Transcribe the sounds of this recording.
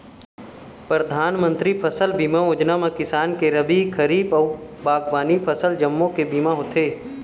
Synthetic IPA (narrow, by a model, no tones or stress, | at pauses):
pɾəd̪ʱaːnmə̃nt̪ɾipʰəsəlbiːmaoːd͡ʒnamãkɪsaːnkeɾəbikʰəɾiːbɔːbaːɡbaːnipʰəsəld͡ʒɐmːõkebiːmaɦoːt̪ʰeː